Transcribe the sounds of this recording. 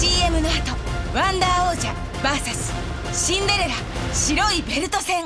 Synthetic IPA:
ie̞mɯ̟noat̪oβãnd̪aːoːʑa | baːsasɨ̥ | ɕĩnd̪e̞ɾeɾa | ɕiɾo̞ibe̞ɾɯ̟t̪o̞sẽ̞ŋ

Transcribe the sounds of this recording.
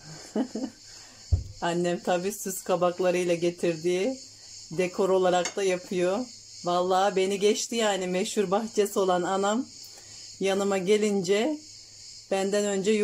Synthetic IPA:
anːɛmt̪ʰabiːsyzkʰabaklˠaɾɯjlˠaɟe̞t̪ʰiɾd̪iː | d̪ekʰo̞ɾo̞lˠaɾakt̪ajapʰɯjo̞ | valˠːaːbe̞niɟɛt͡ʃt̪ʰijanimɛchuɾbaxt͡ʃʰesio̞lˠananam | janɯmaɟe̞lʲind͡ʒɛ | b̥ænd̪ænø̞nd͡ʒɛ

